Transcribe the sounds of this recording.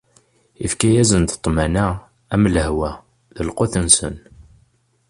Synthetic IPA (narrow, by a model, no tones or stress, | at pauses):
ifkæjæzənt̪ə̥t̪ˤːmænæ | æmləhwæ | ðəlqoθənsən